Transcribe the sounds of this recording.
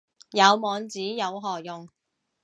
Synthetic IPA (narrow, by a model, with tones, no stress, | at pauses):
jɐ˨˧wmɔː˨˧ŋt͡siː˨˥jɐ˨˧wɦɔː˨jʊ˨ŋ